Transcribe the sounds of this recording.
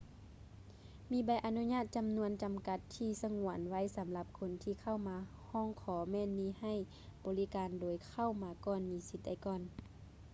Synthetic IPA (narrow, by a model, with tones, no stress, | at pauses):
miː˧˦ba˧˦jʔa˧nu˧˥ɲaː˥˩˨t̪̚t͡ɕa˨mnu˧ənt͡ɕa˨mka˧˦t̪ʰːiː˧sa˧ŋu˧˩˨ənwa˧˥˨jsa˨˦mla˧p̚kʰo˧˦nt̪ʰiː˧˩kʰa˧˩˨wmaː˧˦hɔː˧˥˨ŋkʰɔː˨˦mɛː˧˥˨nmiː˧ha˧˩j | bɔː˨li˦kaː˨ndoː˨˦jkʰa˧˩˨wmaː˧˦kɔː˧˩nmiː˨˧˦si˧˦t̪̚da˧˩jkɔː˧˩n